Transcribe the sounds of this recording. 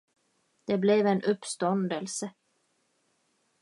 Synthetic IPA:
d̪̥ɛblɛvɛnʔɵpːst̪ɔnd̪əlsə

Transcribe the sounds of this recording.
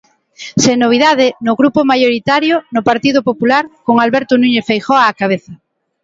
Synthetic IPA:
seŋnːoβ̞iðaðɪnʊɣɾupomajoɾit̪aɾjonʊpaɾt̪iðʊpopulaɾkoŋalβɛɾt̪ʊnũɲefejxɔaːkaβ̞eθa

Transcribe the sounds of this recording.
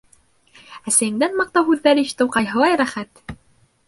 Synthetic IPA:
æsæjɘ̆ŋd̪ænmɑq̚t̪ɑɦʉðːæɾiɕt̪ɤ̆wqɑjɦɤ̆lˠɑjɾæχæt̪

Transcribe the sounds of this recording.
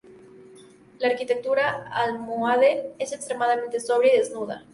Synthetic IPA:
laːɾkit̪ek̚t̪uɾaalmuaðeesekst̪ɾemaðamẽnt̪esoβɾjeiðeznuð̞a̰

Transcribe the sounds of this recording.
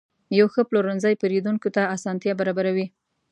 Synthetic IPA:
jawxəploɾanzajpeɾid̪uŋkot̪aasɑnt̪jɑbaɾɑbaɾawi

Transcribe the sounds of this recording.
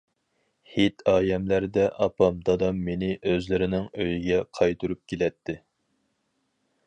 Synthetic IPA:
het̪ɑːjɛmlæɾd̪ɛʔɑpɑmd̪ɑd̪ɑmːenɪʔøzlɪɾɪnɪŋøjiɡʲɛqʰɑjt̪uɾup̚kʲʰelɛt̪ʰːɪ

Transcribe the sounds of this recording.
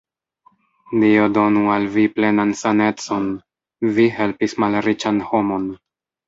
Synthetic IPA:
liodo̞nualviple̞nansane̞t͡so̞n | vihe̞lpismalɾit͡ʃanho̞mo̞n

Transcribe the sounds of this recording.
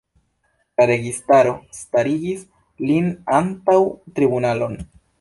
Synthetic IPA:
laɾe̞ɡistaɾo̞staɾiɡis | linantawtɾibunalo̞n

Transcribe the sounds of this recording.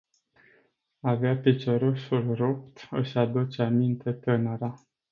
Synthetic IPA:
aveapit͡ʃoɾoʃulrop̚t̪ɨʃad̪ut͡ʃeamint̪e̞t̪ənəɾa

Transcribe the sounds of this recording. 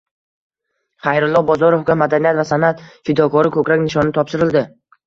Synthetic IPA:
χajɾʊlˠːɒbɒzɒɾofɡʲamad̪anijat̪vasanat̪fɪd̪ɒkʰɒɾɪkʰɵkʲɾakʲnɪʃɒnɪt̪ʰɒpʃɪɾɪld̪ɪ

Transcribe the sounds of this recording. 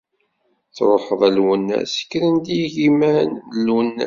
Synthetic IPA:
θɾˤoħəðˤælwənːæ̰sə̥kːɾənd̪ijʝimænəlːənː

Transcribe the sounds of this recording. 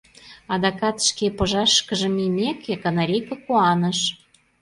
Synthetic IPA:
ɑd̪ɑkɑt̪ʃkepɤ̆ʒɑʃkə̆ʒə̆mimʲekekɑnɑɾʲejkɤ̆kuɑnə̆ʃ

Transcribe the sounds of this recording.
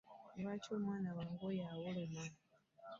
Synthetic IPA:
βaːcoːmwaːnaβaŋɡojawolema

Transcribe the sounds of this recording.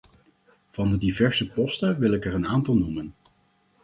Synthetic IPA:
v̥ɑndədivɛɹsəpɔstəʋɪlɪkɛɹənaːntɑlˠnumən

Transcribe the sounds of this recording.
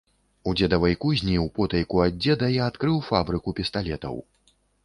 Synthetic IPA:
ud͡zʲɛd̪ɐvɐjkuzʲnʲiwpɔt̪ɐjkuad͡zʲːɛd̪ɐiat̪kɾɨwfabɾɨkupʲist̪alʲɛt̪ɐ̰w

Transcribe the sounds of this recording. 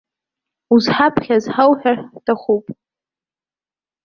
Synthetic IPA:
uzħapʰχʲazħawħᶣartʰaχupʼ

